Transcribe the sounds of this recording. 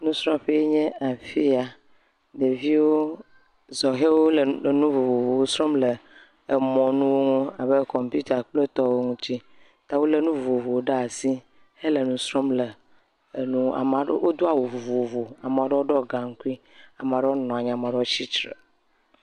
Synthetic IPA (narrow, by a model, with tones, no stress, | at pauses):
nũ˦sɾɔ̃˦ɸe˦je˦ɲɛ̃˦a˨fi˦a˦ | de˨vi˦wo˦ | zɔ˨ɦe˦wo˦lnũ˦vo˨vo˨vo˨wo˦sɾɔ˦mlə˨ | e˨mɔ̃˨nũ˦wo˦ŋũ˦a˨be˦kɔ˨mpi˦t̪a˨k͡ple˦t̪ɔ˦wo˦ŋũ˦t̪i˦ | t̪a˨˦wo˦le˦˨nũ˦vvo˨vo˨wo˦ɖa˦a˨si˦ | he˦le˨nũ˦sɾɔ˦mlə˨ | nũ˦a̰˨ma˨ɖwo˦d̪o˦a˨wo˨vo˨vo˨vo˨a˨mẽ˨ɔ˦ɖɔ˦wo˦ɖɔ˦ɡa˨ŋ̩˦ku˦i˦ | a˨mã˨ɖo˦nɔ̃˨a˨ɲã˨mã˨ɖt͡ɕi˦t͡ʃɾḛ˨